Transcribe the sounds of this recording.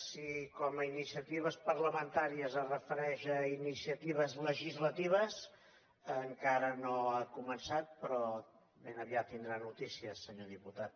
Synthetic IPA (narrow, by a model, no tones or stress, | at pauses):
sikɔməinisiət̪iβ̞əspəɾləmənt̪aɾiəzərəfəɾɛʃəinisiət̪iβ̞əzləʒizlət̪iβ̞əs | əŋkaɾənoakumənsat̪̚pɾɔ | benəβiat̪ːind̪ɾanut̪isiəsəɲoðiput̪at̪̚